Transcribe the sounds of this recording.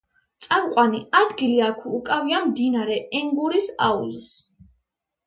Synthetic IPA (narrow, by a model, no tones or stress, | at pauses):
t̪sʼamqʼwaniad̪ɡiliakʰuːkʼaviamd̪inaɾɛɛŋɡuɾisa̰ṵzis